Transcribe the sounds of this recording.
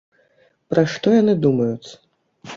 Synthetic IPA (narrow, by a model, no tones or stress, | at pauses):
pɾaʂt̪ɔjanɨd̪umɐjut̪sɐ̥